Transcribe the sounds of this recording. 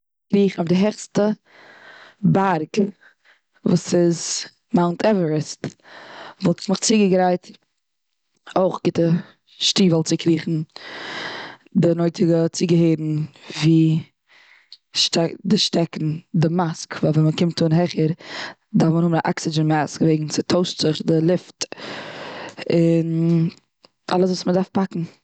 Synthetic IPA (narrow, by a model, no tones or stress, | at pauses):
kɾiːχn̩ɔfdɪɦɛχstə | baɾɡ | vuːsɪz | maʊntʰɛvəɹəst | vɔlˠtmɪχt͡siɡəɡɾaɪt | oɪχɡɪtə | ʃtiːvɔlˠt͡sɪkɾiːχn̩ | dɪnoɪtɪɡət͡siɡəheɪɾn̩viː | ʃtɛdɪʃtɛkn̩dɪmaskvaːvɛməkɪmtʰːuːnɦɛχəɾ | dafmənhʊmnaʔaksɪd͡ʒənmaskveɪɡŋ̩t͡sɪtʰoʊstz̥ɪχdɪlˠɪft | ɪn | ʔa̰lˠəs̬vuːsmədaɾfpakŋ̩